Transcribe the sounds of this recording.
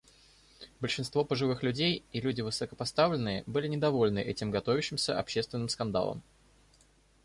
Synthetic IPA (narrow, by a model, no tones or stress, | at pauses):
bəlʲʂɨnst̪vo̞pəʐɨvɨxlʲʉdʲejilʲudʲɪvɨsəkəpɐst̪avlʲɪnːɨjəbɨlʲɪnʲɪd̪ɐvo̞lʲnɨʔɛtʲɪmɡɐt̪o̞vʲɪɕːɪmsʲə̰ɐpɕːe̞st̪vʲɪnːɨmskɐnd̪a̰lˠə̰m